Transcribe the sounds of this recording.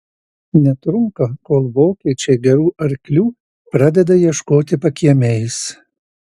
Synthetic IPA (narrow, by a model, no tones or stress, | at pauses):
nʲɛt̪ɾʊŋkɐkoːlˠʋoːkʲɛɪt͡ʃʲɛːɡʲɛɾuːɐɾʲkʲlʲuː | pɾɑd̪ʲɛd̪ɐjiɛʃkoːt̪ʲɪpɐkʲiɛmʲɛɪs